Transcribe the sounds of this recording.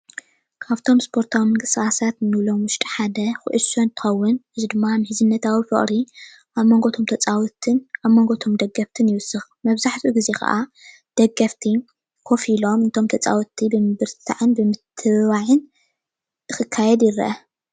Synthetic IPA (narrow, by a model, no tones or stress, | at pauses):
kʰaβt̪ʰo̞mspʰo̞ɾt̪ʰawimɨnɡʼɨsɨxasat̪nɨβlo̞mwʊʃt̪ʼiħad̪ɐxɨ̰ʔɨsont̪ʰɨ̥xɐwːʊnħɨzid̪ɨmːanɨhɨzɨnːɐt̪ʰawifɨ̰χʼɾi | ʔaβmoŋɡot̪ʰo̞mt̪ʰɐt͡sʼawt̪ʰɨnaβmoŋɡot̪ʰo̞md̪ɐɡɐft̪ʰɨnjɪwʊsːɨxmɐβzaħt̪ʰuɡize̞xɐ̰ʔa | d̪̥ɐɡɐft̪ʰi | kʰo̞filo̞mɨnt̪ʰo̞mt̪ʰɐt͡sʼa̰wut̪ʰːibɨmɨbɨɾt̪t̪ʰa̰ʕɨnbɨmɨt̪ʰːɨβaʕɨn | ɨxɨkʰːajɛd̪jɪɾɐ̰ʔɐ